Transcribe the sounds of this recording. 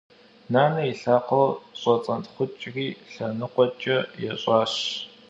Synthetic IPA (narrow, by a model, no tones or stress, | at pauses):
naːnɐiɬaːqɐwɕʼɔt͡sʼɐntχʷʊt͡ʃʼriːɬɐnɨqʷʼɔt͡ʃʼɐjɛɕʼɑːɕ